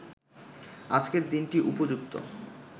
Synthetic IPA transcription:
ad͡ʑkeɾd̪inʈiʔupod͡ʑuk̚t̪o̰

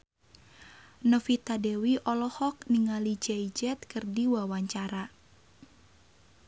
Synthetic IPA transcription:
nəfit̪adɛwiʔɔlɔhɔk̚niŋalid͡ʒɛid͡ʒɛt̪̚kɨrdiwawaɲt͡ʃaɾa

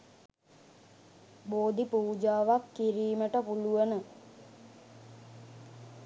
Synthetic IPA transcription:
boːd̪ipuːd͡ʒaːʋakːiɾiːməʈəpuluʋənə

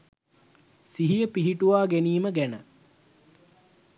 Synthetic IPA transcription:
siɦijəpiɦiʈuʋaːɡeniːməɡænə

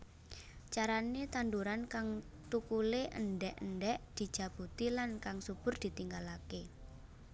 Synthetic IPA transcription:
t͡ʃaɾanet̪and̪uɾankaŋ | t̪ukuleʔə̰nɖɛʔəɳɖɛʔd̪̥i̤̥d͡ʒ̥a̤b̥ut̪ilankaŋsub̥ʊ̤rd̪̥i̤t̪iŋɡalake

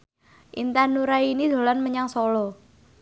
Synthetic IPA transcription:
ʔint̪anuɾainid̪̥o̤lanməɲaŋsɔlɔ

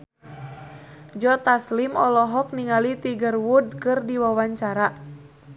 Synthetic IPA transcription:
d͡ʒɔt̪aslimɔlɔɦɔk̚niŋalit̪iɡərwud̚kɨrdiwawaɲt͡ʃaɾa

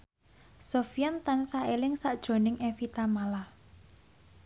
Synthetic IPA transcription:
sofijant̪ansaelɪŋsaʔd̥ʒ̥o̤nɪŋʔefit̪amala

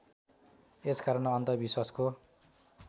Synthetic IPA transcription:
eskaɾʌnʌnt̪ʌbiswasko

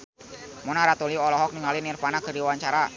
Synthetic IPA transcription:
mɔnaɾat̪uliɔlɔɦɔk̚niŋalinirfanaɡ̥ə̤ɾiwaɲt͡ʃaɾa

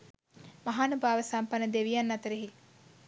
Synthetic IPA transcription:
maɦaːnubaːʋəsampɐnəd̪eʋijanːɐt̪əɾeɦi

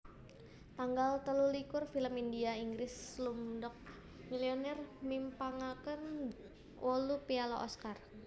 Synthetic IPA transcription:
t̪aŋɡalt̪əlulikʊrfiləmindiaiŋɡɾɪslumdɔk̚ | milionɛrmimpaŋakən | wʔolupialaʔɔskar

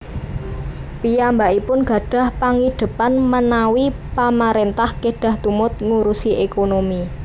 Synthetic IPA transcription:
pijambaʔipʊnɡ̥ä̤ɖ̥a̤hpaŋid̪̥ə̤panmənawi | pamaɾent̪ahkeɖ̥ä̤ht̪umʊt̪̚ŋuɾusiʔekonomi

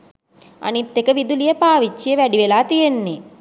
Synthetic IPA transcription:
ɐ̰nit̪ːekəʋid̪ulijɐpaːʋit͡ʃːijeʋæɖiʋelaːt̪ijenːe

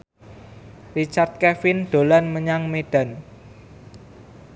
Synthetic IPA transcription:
rit͡ʃart̪̚kɛfɪnd̪̥o̤lanməɲaŋmeɖ̥a̤n

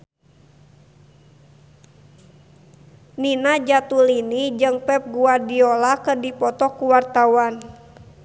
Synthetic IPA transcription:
ninad͡ʒat̪ulinid͡ʒɨŋpɛp̚ɡuadiɔlakərdipɔt̪ɔkuwart̪awan

